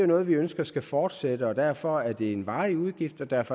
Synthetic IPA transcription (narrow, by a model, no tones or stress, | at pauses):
onɔ̽ːð̩ˠʋiønsɡ̥ɐsɡ̥æfɒːd̥sed̥əɒ̽d̥æɐ̰fɒ̽æɐd̥e̝enʋɑ̈ːɪuð̞ˠɡ̥ifd̥ɒ̽d̥æɐ̰fɒ